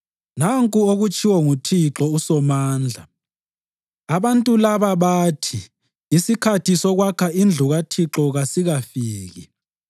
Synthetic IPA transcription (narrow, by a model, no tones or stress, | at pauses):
naŋkʼuoɣut͡ʃʰʼiwɔŋutʰiǁɔusɔmaːnd͡ɮʱa | aβantʼulaβaβaːtʰi | isikʰatʰisɔɣwakʰaʔind͡ɮʱuɣatʰiǁɔɣasiɣafiːɣi